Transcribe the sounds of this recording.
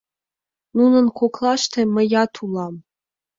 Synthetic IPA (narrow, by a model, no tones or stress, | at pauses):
nunɤ̆nkoklˠɑʃt̪ĕmə̆jɑt̪ʰulˠɑm